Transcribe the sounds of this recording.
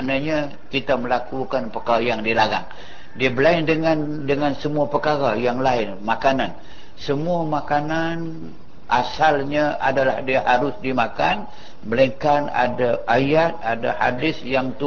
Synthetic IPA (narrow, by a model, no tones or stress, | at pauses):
anaɲa | kit̪aməlakukanpəkajaŋdiəlaɾaŋ | diabəlaɪndəŋandəŋansəmuapəkaɾajaŋlaɪnmakanan | səmuamakanan | ʔasalɲaa̰dalahdiahaɾʊsdimakan | bələŋkana̰daʔajat̪̚ada̰ha̰dɪsjaŋt̪u